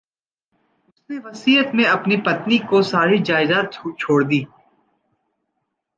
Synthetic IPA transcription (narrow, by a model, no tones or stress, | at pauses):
ʊsneʋɐsiːɦət̪mẽɐpnipɐt̪nikosaːɾid͡ʒaːɪzaːt̪̚t͡ʃʰoːɽd̪iː